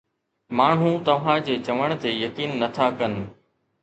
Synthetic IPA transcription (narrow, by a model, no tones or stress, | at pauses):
maːɳ̤ɦũt̪ɐʋ̤ãd͡ʑeːt͡ɕɐʋəɽ̃t̪eːjɐkiːnːɐt̪ʰakɐn̆